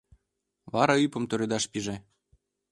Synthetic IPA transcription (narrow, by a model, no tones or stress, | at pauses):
βɑɾɑypɤ̆mt̪oɾed̪ɑʃpiʒĕ